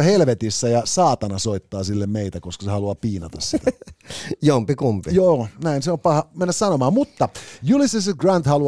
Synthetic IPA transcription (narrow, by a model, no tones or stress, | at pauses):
helʋet̪isːæjɑsɑːt̪ɑnɑsoit̪ːɑːsilːemmeit̪ækoskɑ̥sehɑluɑpiːnɑt̪ɑsit̪æ | jompikumpijoːnæinseompɑhɑmenːæssɑnomɑːmmut̪ːɑjulisːeseɡrɑnt̪hɑlu